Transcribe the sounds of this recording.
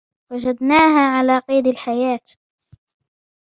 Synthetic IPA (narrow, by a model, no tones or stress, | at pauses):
wad͡ʒad̪naːɦaːʕalaːqiːd̪alħajaːt̪